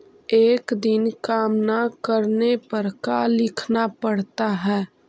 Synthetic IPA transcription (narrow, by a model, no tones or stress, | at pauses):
eːkd̪ɪnkaːmnakəɾnepəɾkalɪkʰnapəɽ̤t̪aɦɛː